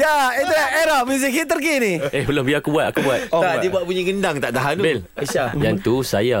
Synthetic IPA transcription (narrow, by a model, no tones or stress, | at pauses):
jait̪ulaeɾaʔmuzikit̪əɾkinĩehbəlombiakubuat̪akubuat̪adibuat̪̚puɲaɡəndaŋt̪aʔt̪aɦanbel | iajant̪usaja